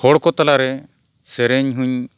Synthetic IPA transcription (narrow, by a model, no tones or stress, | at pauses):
hɔɽkɔt̪alaɾɛ | sɛɾɛɲɦuɲ